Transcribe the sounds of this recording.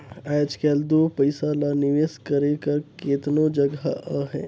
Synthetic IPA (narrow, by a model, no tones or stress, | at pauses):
ad͡ʒkɛld̪opəɪsalaniʋeːskəɾekəɾket̪nod͡ʒəɡaʔəɦɛ̰̃